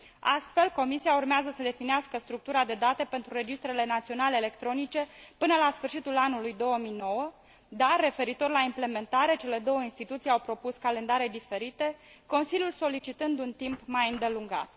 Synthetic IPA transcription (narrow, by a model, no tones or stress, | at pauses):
ast̪fe̞lko̞misiaurmeazəsəd̪e̞finiaskəst̪ɾuk̚t̪uɾad̪e̞d̪at̪e̞pe̞nt̪ɾuɾe̞d͡ʒist̪ɾe̞le̞nat̪sio̞nale̞ːle̞kt̪ɾo̞nit͡ʃe̞pɨnəlasfɨrʃit̪ulanulujd̪o̞wəmijno̞wə | d̪arːe̞fe̞ɾit̪o̞rʲlaimple̞me̞nt̪aɾe̞t͡ʃe̞le̞d̪o̞wəinst̪it̪ut̪sijawpɾo̞puskale̞nd̪aɾe̞d̪ife̞ɾit̪e̞ | ko̞nsilʲjulso̞lit͡ʃit̪ɨnd̪unt̪impmajɨnd̪e̞luŋɡa̰t̪̚